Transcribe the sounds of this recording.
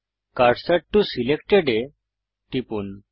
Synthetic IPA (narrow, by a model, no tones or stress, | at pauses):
kaɾsaʈʈusilekʈeɖe | ʈipun